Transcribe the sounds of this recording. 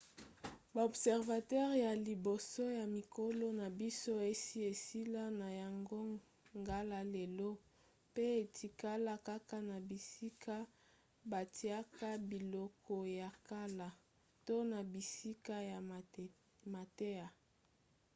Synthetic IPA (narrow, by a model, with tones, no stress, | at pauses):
ba˨o˨bsɛ˨ʁva˨tɛ˦ʁja˨li˨bo˨so˦ja˨mi˨kʰo˦lɔ˦na˨bi˦so˦e˦si˦e˨si˦la˦na˨ja˨ŋɡo˦ | ŋɡa˦la˦le˨lo˦ | pe˦e˨tʰi˨ka˦la˦ka˦ka˦na˨bi˨si˦kʰa˦ | ba˨ti˨a˦ka˦bi˨lɔ˦kʰɔ˨ja˨ka˦la˨ | to˦na˨bi˨si˦ka˦ja˨ | ma˨te˦a˨